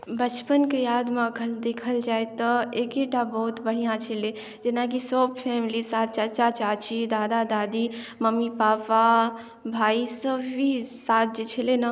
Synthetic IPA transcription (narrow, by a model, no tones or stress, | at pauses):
bət͡ʃpənkejaːd̪mãɡʰʱəld̪ekʰəld͡ʒaet̪əekeʈabəɦut̪bəɽ̤ijãt͡ʃʰile | d͡ʒenak̬isɔb̚pʰɛːmlisaːt̪̚t͡ʃat͡ʃat͡ʃaːt͡ʃid̪aːd̪ad̪aːd̪i | məmipaːpa | bʱaːisəbbʱisat̪̚ʰd͡ʒet͡ʃʰilena